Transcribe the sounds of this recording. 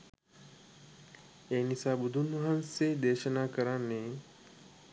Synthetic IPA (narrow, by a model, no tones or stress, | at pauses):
eːnisaːbud̪ʱunʋɐɦansed̪eːʃənaːkəɾanːe